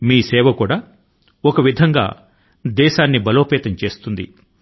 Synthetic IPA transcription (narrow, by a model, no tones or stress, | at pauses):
miːsɛːʋɐkuːɽaː | ɔkɐʋid̪ʱɐŋɡa̰ː | d̪ɛːʃaːnːibɐloːpɛːt̪ɐɲt͡ʃeːst̪und̪ḭ